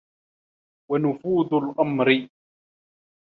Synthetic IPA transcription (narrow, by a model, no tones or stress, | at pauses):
wanʊfuːd̪ʊlʔamɾɪ